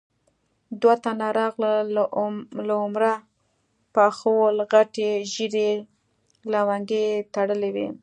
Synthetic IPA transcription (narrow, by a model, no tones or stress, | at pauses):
d̪wat̪anaɾɑɣla | laʊmɾa | paxowlɣaʈeʒiɾe | lawaŋɡet̪aɽəlewe